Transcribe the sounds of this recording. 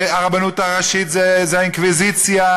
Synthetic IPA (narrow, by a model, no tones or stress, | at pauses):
aʁbanut̪aʁaʃit̪zezeainkvizit͡sja